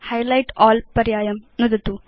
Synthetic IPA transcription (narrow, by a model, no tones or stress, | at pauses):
hɐjlɐjʈaːlpɐɾjaːjɐmnud̪ɐt̪u